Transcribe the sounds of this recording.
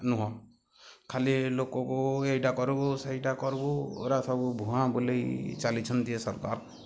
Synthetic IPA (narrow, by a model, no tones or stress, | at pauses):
nuɦɔ̃ | kʰalilokɔkoejʈakɔɾuboseiʈakɔɾbo̰ɾasʰabubʱuɦãbulejt͡ʃalit͡ʃʰɔnd̪ijesɔɾkaɾ